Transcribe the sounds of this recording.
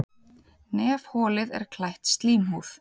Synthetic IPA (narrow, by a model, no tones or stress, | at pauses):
nɛːv̥hɔːlɪðɛ̰ɾ̥kʰlajht̪st̪liːmɦuːθ